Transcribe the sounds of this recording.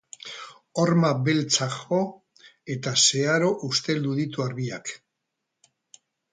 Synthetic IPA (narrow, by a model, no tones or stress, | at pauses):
o̞ɾmaβe̞lt͡saxo̞ | e̞t̪ase̞aɾo̞ʔust̪e̞ld̪uðit̪uaɾβiak